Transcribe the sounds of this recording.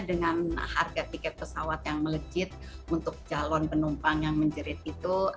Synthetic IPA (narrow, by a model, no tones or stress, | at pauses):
dəŋanharɡap̪ikɛt̪̚pəsawat̪jaŋmələd͡ʒɪt̪̚unt̪ʊk̚d͡ʒalɔnpənumpaŋjaŋməɲd͡ʒəɾɪt̪̚it̪u